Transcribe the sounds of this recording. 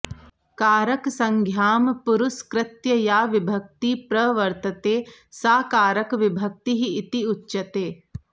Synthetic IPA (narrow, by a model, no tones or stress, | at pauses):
kaːɾɐksɐŋɡʱjaːmpuɾuskɾɪt̪jɐjaːʋibʱɐk̚t̪ipɾɐʋɐɾt̪ɐt̪eːsaːkaːɾɐkʋibʱɐk̚t̪iɦiːt̪iutːʃɐt̪eː